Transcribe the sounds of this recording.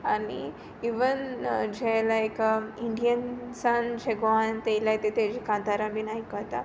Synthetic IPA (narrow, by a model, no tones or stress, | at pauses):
anḭ | iʋənd͡ʑelajkiɳɖijənsand͡ʑeɡʋant̪ejlajt̪et̪ed͡ʑikãnt̪aɾãbʱinajkəɦt̪a̰